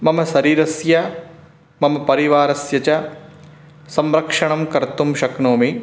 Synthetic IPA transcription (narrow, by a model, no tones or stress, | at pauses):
mɐmɐsɐɾiːɾɐsjɐ | mɐmɐpɐɾiʋaːɾɐsjɐt͡ʃɐ | sɐmɾɐkʂɐɳɐmkɐɾt̪umʃɐknoːmi